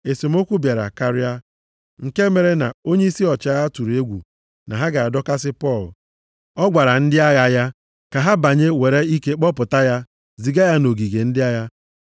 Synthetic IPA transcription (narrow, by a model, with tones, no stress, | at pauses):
e˨se˨m̩˦o˦kʷu˦bja˨ɾa̰˨ka˦ɾɪ˦a˦ | ŋ̩˨ke˦me˨ɾe˦na̰˨o˦ɲe˦i˦si˦ɔ˨t͡ʃa˦ɣa˦tu˨ɾe˦ɡʷṵ˨ | na̰˨ɦa˦ɡa˨a˨dɔ˦ka˦sɪ˦pɔ˦˨l | ɔ˦ɡʷa˨ɾa˨n̩˦dɪ˦a˦ɣa˨ja˦ | ka˨ɦa˦ba˨ɲe˦we˨ɾe˦i˦ke˦k͡pɔ˦pʊ˨ta˦ja˦ | zi˨ɡa˦ja˦no˨ɡi˨ɡe˨n̩˦dɪ˦a˦ja˦